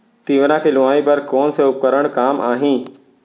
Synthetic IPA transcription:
t̪iːʋəɾãkʰeːlʊʋaːĩpɐɾkoːnseʊp̚kəɾəɽ̃kaːmʔa̰ːɦĩː

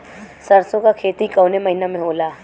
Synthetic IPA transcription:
sɐɾsõkakʰeːt̪ikɐwnemɐɦinamẽɦoːlaː

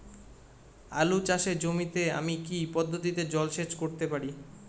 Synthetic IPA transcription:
a̰lut͡ɕaʃeɾd͡ʑomit̪ea̰mikipɔd̪ʱːot̪̬it̪ed͡ʑɔlʃed͡ʑkoɾt̪epaɾi

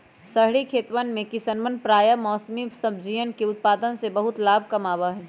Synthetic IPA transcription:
sɐɦɽikʰeːt̪ʋənmẽkɪsənʋənpɾaːjəmɔːsmisɐbʱd͡ʒijənkeʊt̪̚paːd̪ənsebɐɦʊt̪laːb̚ʱkɐmaːʋaɦɛː

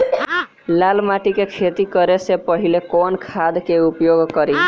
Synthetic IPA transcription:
lalmaʈikekʰet̪ikʌɾesepʌɦilekonkʰad̪keupjoɡkʌɾi

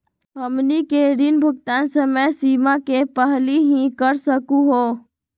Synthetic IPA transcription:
ɦəmnikeɾinbʱʊk̚t̪ansəməsimakepəɦliɦĩkəɾsəkũɦo

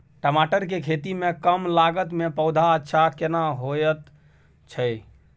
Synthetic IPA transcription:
ʈəmaʈəɾkekʰet̪imekəmlaɡət̪mepəʊd̪ʱaətːʃʰakenaɦojət̪ | t͡ʃʰəj

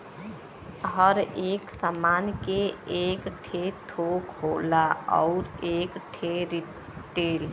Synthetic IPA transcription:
ɦəɾeːksamaːnkeeːkʈʰet̪ʰokɦoːlaɔ̰ʊɾeːkʈʰeɾi | ʈeːl

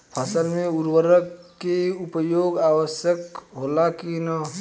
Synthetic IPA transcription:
pʰasəlmẽuɾwəɾəkːeupəjoːɡaːwəsjəkɦolakinə

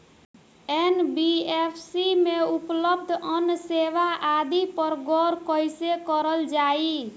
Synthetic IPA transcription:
enbiepʰsimeupləb̚d̪ʱənːseʋaʔad̪ipəɾɡɔɾkəjsekəɾəld͡ʒai

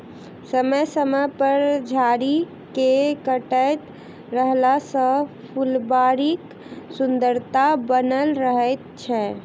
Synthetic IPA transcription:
səməjsəməpəɾd͡ʒʱaɾi | kekəʈəjt̪ | ɾəɦlasə̃ | pʰulbaɾik | sund̪əɾt̪abənəlɾəɦət̪̚t͡ʃʰɛ

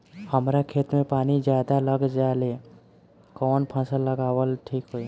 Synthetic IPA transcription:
həmɾakʰeːt̪mẽpaːnid͡ʒjaːd̪aləɡd͡ʒaːle | kɔːnpʰə̃səlːəɡaːwəlʈʰiːkɦoi

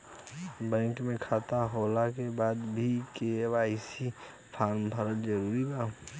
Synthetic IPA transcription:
bɛ̃ːkmẽkʰaːt̪aɦoːlakebaːd̪bʱikewaːɪsi | pʰaːɾmpʰəɾət̪d͡ʒəɾuːɾibaː

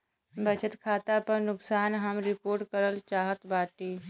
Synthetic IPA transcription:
bɐt͡ʃʰət̪kʰaːt̪apəɾnʊksaːnɦɐmɾɪpoːɾʈkəɾəlt͡ʃaːɦət̪baːʈiː

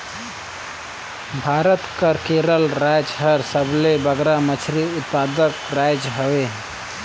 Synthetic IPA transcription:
bʱaɾət̪kəɾkeɾəlɾajd͡ʒɦəɾsəblebəɡɾamət͡ʃʰɾiut̪̚pad̪əkɾajd͡ʒɦəwe

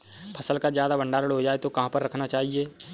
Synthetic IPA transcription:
pʰəsəlkazjaːd̪abə̃ɳɖaːɾəɽɦod͡ʒaːet̪okɐɦãpəɾːɐkʰnat͡ʃaːɦieː

